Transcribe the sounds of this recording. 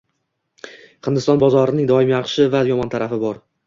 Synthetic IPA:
χɨnd̪ɪst̪ɒnbɒzɒɾɪnɪŋd̪ɒɪmjɑχʃɪvajɒmɒnt̪ʰaɾafɪbɒɾ

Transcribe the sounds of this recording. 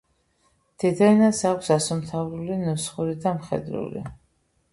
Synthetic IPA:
d̪̥ɛd̪anasakʷʰsasumt̪ʰavɾulinusχuɾid̪amχɛ̰d̪ɾṵlḭ

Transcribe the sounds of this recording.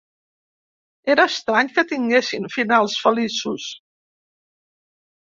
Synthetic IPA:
eɾəːst̪ɾaɲkət̪iŋɡesiɱfinalˠsfəlisus

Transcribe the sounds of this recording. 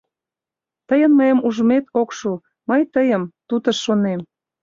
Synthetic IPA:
t̪əjənməjəmuʒəmet̪okʃu | məjt̪əjəmt̪ut̪ə̆ʃːonem

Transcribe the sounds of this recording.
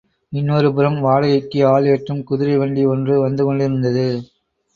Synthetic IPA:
ɪnːoːɾɯpɯɾɐmʋaːɻɐɣɐɪkːɯaːljɐʈrɯmkʊðɪɾɐɪʋɐɳɖiɔndrɯʋɐnd̪ɯkɔɳɖɪɾɯnd̪ɐðɯ

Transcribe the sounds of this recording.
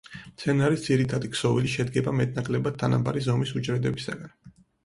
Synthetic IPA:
mt̪sʰɛnaɾisd̪ziɾit̪ʰad̪iksɔviliʃɛd̪ɡɛbamɛt̪̚ʼnakʼlɛbad̪̚t̪ʰːana̰ba̰ɾizɔmisut͡ʃʼɾɛd̪ɛbisa̰ɡan

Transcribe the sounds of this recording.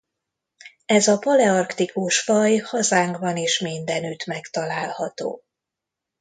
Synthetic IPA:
ɛzɒpɒlɛɒrkt̪ikuʃfɒjhɒzaːŋɡbɒneːʃmind̪ɛnyt̪mɛkt̪ɒlaːlhɒt̪o̰ː

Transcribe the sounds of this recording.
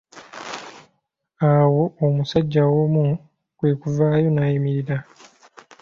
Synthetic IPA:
awo̞omusaɟːawomu | kwe̞ːkuvaːjo̞najimiɾiɾa

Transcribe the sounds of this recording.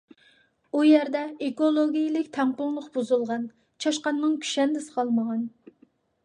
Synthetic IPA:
ujɛɾd̪ɛekolˠoɡʲijilɪkʲt̪ʰɛmpʊŋlˠʊqb̥uzulˠʁɑn | t͡ʃʰɑʃqɑnmɨŋkʲʰy̥ʃɛnd̪ɪsɨ̥qʰɑlˠməʁɑn

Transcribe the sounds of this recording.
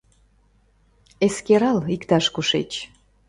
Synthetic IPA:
eskeɾɑlikt̪ɑʃkuʃḛt͡ɕ

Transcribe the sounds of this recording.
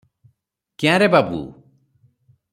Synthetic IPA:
kjãɾebabṵ

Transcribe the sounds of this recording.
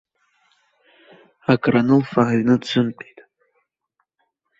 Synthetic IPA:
akʼranɨlfaɥnɨt͡sʷʰɨmtʼejtʼ

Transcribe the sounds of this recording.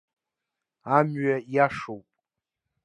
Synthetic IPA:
amɥɛjaʂowpʼ

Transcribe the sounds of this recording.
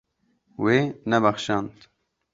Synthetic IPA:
weːnɛbaxʃɑːnt̪

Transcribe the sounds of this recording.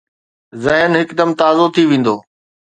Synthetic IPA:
zɐɦənɦɪkd̪əmt̪aːzot̪ʰiʋẽːn̆d̪oː

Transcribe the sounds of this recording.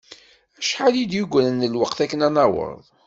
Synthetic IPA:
æʃħalid̪juɡʷnənːəlwəqθækːənænɑwə̰ɾˤðˤ

